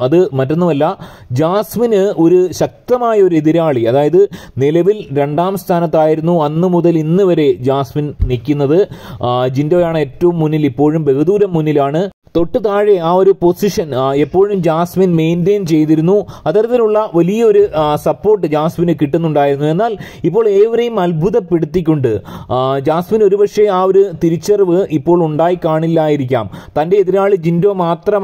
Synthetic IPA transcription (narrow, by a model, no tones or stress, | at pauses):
ɐðɨmɐtːo̞nːumɐlːɐ | d͡ʑaːsminɨo̞ɾuɕɐk̚t̪ɐmaːjɐoɾueðiɾaːɭiɐðaːjɐðɨnilɐʋilɾe̞ɳɖaːmst̪ʰaːnɐt̪̬ːaːjiɾunːuɐnːɨmuðɐlinːɨʋɐɾe̞d͡ʑaːsminnikʲːunːɐðɨd͡ʑindoːjaːɳɨe̞ːtːɐʋumːunːilipːo̞ːɻumbe̞ɣɐd̪uːɾɐmːunːilaːɳɨ | t̪o̞ʈːɨt̪aːɻeaːo̞ɾupo̞siʂɐne̞pːo̞ːɻumd͡ʑaːsminme̞jndeːnt͡ɕe̞jt̪iɾunːuɐt̪ːɐɾɐt̪ːinuɭːɐʋɐlijɐo̞ɾusɐpːo̞ːrʈːɨd͡ʑaːsminɨkiʈːunːuɳɖaːjiɾunːue̞nːaːl | ipːo̞ːɭeːʋiɾejumɐlbʱuðɐpeɽut̪ːikʲːoɳɖɨd͡ʑaːsmino̞ɾubɐʂeaːo̞ɾut̪iɾit͡ɕːɐrʋɨʔipːo̞ːɭuɳɖaːjikaːɳilːaːjiɾikʲːa̰ːmt̪ɐnde̞ːðiɾaːɭɨd͡ʑindo̞ːmaːt̪rɐm